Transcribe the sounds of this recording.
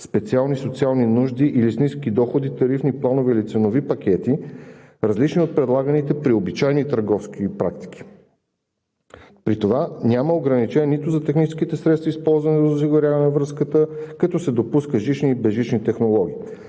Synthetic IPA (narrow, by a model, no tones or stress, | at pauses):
spɛt̪sialˠnisot̪sialˠninuʒd̪iʔilisniskid̪ɔxod̪it̪ɐɾifniplˠanovɛilit̪sɛnovipɐkʲɛt̪i | ɾəzlit͡ʃniot̪̚pɾɛd̪lˠaɡənit̪ɛpɾiobit͡ʃajnit̪əɾɡɔfskipɾak̚t̪i̥k̟ʰʲi̥ | pɾit̪ovanʲaməoɡɾɐnit͡ʃɛnʲɛnit̪ʊzɐt̪ɛxnit͡ʃɛ̥skit̪ɛsɾɛt̪st̪vɐispɔlˠzvɐnɛzos̬iɡoɾʲjavɐnɛvɾəskət̪əkɐt̪ɔsɛd̪opuskəʒit͡ʃniːbɛʒit͡ʃnit̪ɛxnolˠɔɡ̟ʲiː